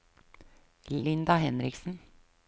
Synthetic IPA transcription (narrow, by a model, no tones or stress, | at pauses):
ɪnd̪ɑhɛnɾɪksn̩